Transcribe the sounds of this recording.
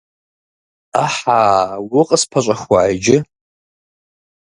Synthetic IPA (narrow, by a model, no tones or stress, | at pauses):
aħawʊqʼəspʰaɕʷʼaxʷwaajd͡ʒɪ